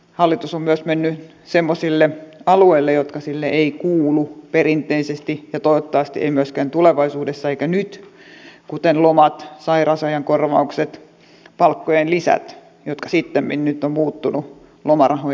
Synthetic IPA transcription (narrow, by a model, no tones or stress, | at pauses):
hɑlːit̪usommyøsmenːy | semːosilːeɑlueilːejot̪kɑsilːeʔeikuːluperint̪eisest̪ijɑt̪oiʋot̪ːɑʋɑst̪iʔḛimyøskænt̪uleʋɑisuːdesːɑeikænyt̪kut̪enlomɑt̪sɑirɑsɑjɑŋkorʋɑukset̪ | pɑlkːojenlisæ̰t̪ | jot̪kɑsit̪ːemminnyt̪ːommuːt̪ːunu | lomɑrɑho